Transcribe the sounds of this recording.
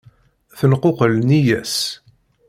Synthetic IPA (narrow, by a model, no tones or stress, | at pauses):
θənqoqəlnijæs